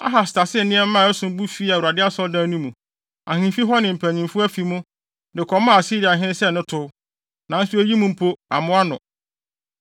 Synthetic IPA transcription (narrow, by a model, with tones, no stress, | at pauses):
a̰˦ɦa˨sɪ̥˨tʰa˨sɪ˦˨nɪ̃˦ɛ˦m̩˦ã˦˨ɛ˦sʊ̃˨m˦bu˦fi˦a˨u˨a˨dɪ˦a˦sɔ˦dã˦nũ˦mũ˨ | a̰˨hɪ̃˦fi˦ɦɔ˦nɪ̃˨m̩˨pʰæ˨ɲĩ˨mfʊ˦æ˦fi˨mũ˦ | dɪ˨kʰɔ˨˦mã˦˨si˦ɾi˨a˨ɦɪ̃˦nɪ̃˦sɛ˦˨nʊ̃˦tʰʊ˦ | nã˨n̩˦sʊ˦æ˦ji˦mũ˦m̩˦pʰo˦a˨mʊ̃˦a˦nʊ̰̃˨